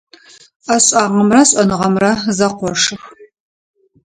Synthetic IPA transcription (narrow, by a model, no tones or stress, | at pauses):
ɐɕʼaːʁɐmrɐɕʼɐnɨʁɐmrɐzɐqʷɔʂɨx